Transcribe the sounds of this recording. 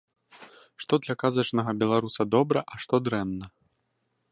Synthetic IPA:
ʂt̪ɔd̪lʲɐkazɐt͡ʂnɐɣɐbʲɛlˠaɾusɐd̪ɔbɾɐʔɐʂt̪ɔd̪ɾɛnːɐ

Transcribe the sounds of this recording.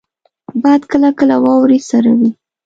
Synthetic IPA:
bɑjad̪kəlakəlawɑwɾisaɾawi

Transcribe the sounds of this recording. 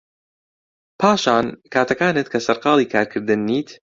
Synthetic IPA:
pʰaːʃaːnkʰaːt̪ʰɐkaːnɨt̪̚kʰɐsɐɾqɑːlˠiːkʰaːɾkʰɨɾd̪ɨnːiːt̪

